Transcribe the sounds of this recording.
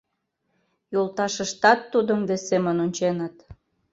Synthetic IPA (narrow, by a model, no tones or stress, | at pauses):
jolt̪ɑʃəʃt̪ɑt̪ːud̪əmd̪esemənonʲt͡ɕenət̪